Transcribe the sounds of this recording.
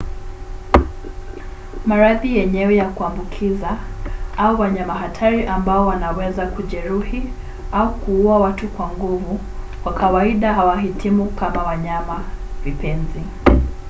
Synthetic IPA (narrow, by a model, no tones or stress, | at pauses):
maɾaðijɛɲɛwɛjakuambukʰizaauwaɲamaɦatʰaɾiʔambaɔwanawɛzakuʄɛɾuhi | aukuuawatukwaŋɡuvu | wakawaiɗaɦawaɦitʰimukamawaɲamavipɛnzi